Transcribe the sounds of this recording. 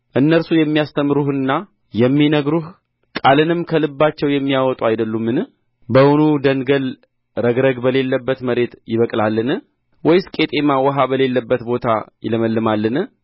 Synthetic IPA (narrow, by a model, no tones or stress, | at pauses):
ʔɨnːəɾsujɛmːijast̪ʰəmːɨɾuhɨnːa | jɛmːinəɡɾuh | kʼalɨnɨmkʰəlɨbːat͡ʃːɛwjɛmːijawɔt̪ʼuajd̪əlːumːɨnɨ | bəwunud̪ənɡəl | ɾəɡɾəɡbəle̞lːəbːət̪məɾe̞t̪jɪβəkʼlalːɨnɨ | wɔjskʼe̞t̪ʼe̞mawəɦabəle̞lːəbːət̪bo̞t̪ʰa̰jɪləməlːɨmalːɨnɨ